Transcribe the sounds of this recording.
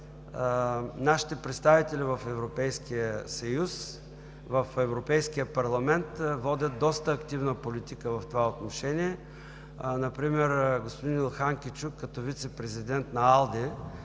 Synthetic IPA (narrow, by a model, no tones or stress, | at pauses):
naʃi̥t̪ɛpɾɛt̪st̪avit̪ɛlivɐfɛvɾopɛjskiəsɐjus | vɐfɛvɾopɛjskijəpɐɾlˠɐmɛnt̪vɔd̪ʲət̪̚d̪ɔst̪əːkt̪ivnəpolit̪ikəvɐft̪ovaot̪noʃɛniɛ | nɐpɾimɛɾɡospod̪inɛlˠxaŋkʲit͡ʃukːɐt̪ɔvit̪sɛpɾɛzid̪ɛnt̪nɐalˠd̪ɛ